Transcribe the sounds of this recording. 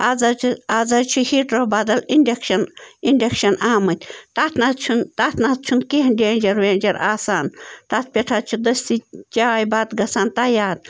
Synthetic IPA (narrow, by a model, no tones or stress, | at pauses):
azɐaːzɐɾt͡ʃʰuhiʈɾobaːd̪ɐlinɖʲekʃɐninɖʲekʃɐnaːmɨt̪ʲt̪at̪ʰnɐt̪t͡ʃʰunt̪at̪ʰnat̪̚t͡ʃʰunkiɦnɖeːnʲd͡ʒɐɾʋeːnʲd͡ʒɐɾaːsaːnt̪at̪̚ʰpʲeʈʰat͡ʃʰud̪ɐst̪it͡ʃaːjbaːd̪ɡɐsaːnt̪ajaːd̪̚